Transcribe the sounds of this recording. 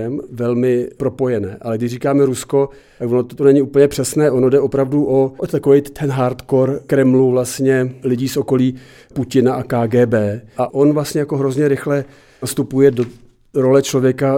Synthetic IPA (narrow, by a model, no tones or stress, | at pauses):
ɛmvɛlmɪpɾo̞po̞jɛnɛːʔalɛɡdɪʃriːkaːmɛɾusko̞ | t̪akvonot̪t̪onɛɲɪuːpl̩ɲɛpr̥ɛsnɛːʔo̞no̞dɛʔopɾavduʔoʔot̪akovɛjtt̪ʰɛnɦaɾt̪koɾkɾɛmluvlast̪ɲɛlɪɟiːsʔo̞ko̞liː | pucɪnaʔakaːɡɛːbɛːʔaʔo̞nvlast̪ɲɛjakoɦɾozɲɛɾɪxlɛ | ast̪upujɛdo | ɾo̞lɛt͡ʃlo̞vjɛka